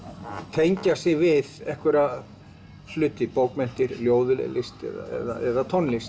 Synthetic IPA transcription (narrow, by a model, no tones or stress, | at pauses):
t̪ʰejɲcasɪɣvɪðɛhkvɛɾa | flʏt̪ɪpowkmɛn̥t̪ɪɾljoːwðʏlɪ̰lɪst̪ɛ̰ða̰ɛ̰ða̰ɛðat̪ʰɔnlɪst̪